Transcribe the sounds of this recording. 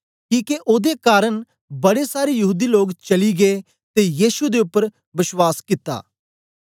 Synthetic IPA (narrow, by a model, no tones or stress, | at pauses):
kĩːkeʔoːd̪ekaːɾəɳ | bəɽesaːɾejɐɦuːd̪iːloːkt͡ʃəliɡeː | t̪ejiːʃud̪eʊpːəɾ | ʋɪʃwaːskɪt̪ːa̰ː